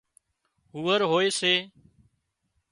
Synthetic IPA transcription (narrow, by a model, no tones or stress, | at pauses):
ɦuːəɾɦoːeːseː